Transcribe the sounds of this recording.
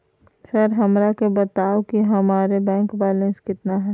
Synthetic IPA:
sɐɾɦɐmɾakebɐt̪aːokiɦɐmaːɾebɛ̃ːŋkbɛːlə̃nskɪt̪naɦɛː

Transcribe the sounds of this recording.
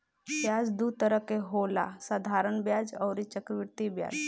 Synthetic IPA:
tjad͡zd̪ut̪əɾəkeɦola̰sad̪ʱaɾəɳbjad͡zɔwɾit͡ʃəkʋiɾt̪ibja̰d͡z

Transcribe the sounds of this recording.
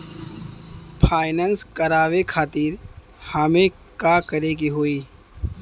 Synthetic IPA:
pʰaːɪnəːnskəɾaːʋekʰaːt̪iːɾ | hamẽ | kakəɾeɡiɦoːiː

